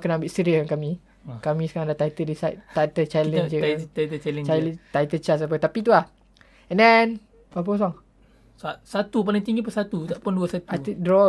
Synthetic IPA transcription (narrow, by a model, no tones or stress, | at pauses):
kənaãmbiʔsəɾiənkamĩ | kamĩsə̥kaɾãŋdaht̪ait̪ədisajʔt̪at̪ət͡ʃalənət̪ait̪ət͡ʃalɛ̃t͡ʃalt̪ait̪ət͡ʃasap̬ət̪apit̪̬ulah | ɛndɛn | bap̬əs̬ɔŋ | sasat̪up̬aliŋt̪iŋɡipəsat̪ut̪aʔpunduəsat̪aidɾɔ